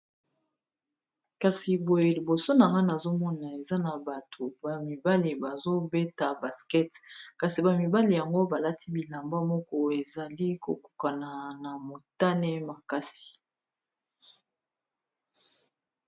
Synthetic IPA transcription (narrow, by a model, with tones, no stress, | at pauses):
ka˨si˨bo˨je˨li˨bo˨so˦na˨ŋɡa˦na˨zo˦mɔ˦na˨e˨za˦na˨ba˨tʰo˨ba˨mi˨ba˦li˨ba˨zo˦bɛ˦ta˨ba˨skɛ˦tka˨si˨ba˨mi˨ba˦li˨ja˨ŋɡo˦ba˨la˦ti˦bi˨la˨mba˦mɔ˦kɔ˦e˨za˨li˦ko̰˨ku̥˨ka˨na˨na˨mo˨ta˦nɛ˦ma˨ka˦si̥˨